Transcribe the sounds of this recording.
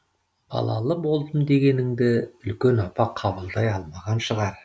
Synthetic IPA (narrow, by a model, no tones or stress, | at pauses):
b̥ɑ̰lˠɑ̰lˠəbo̞lˠd̪əmd̪e̞ɡʲe̞nɪŋd̪ɪʏlkʲe̞nɑpɑqʰɑbəlˠd̪ɑjɑlˠmɑʁɑnʃəʁɑɾ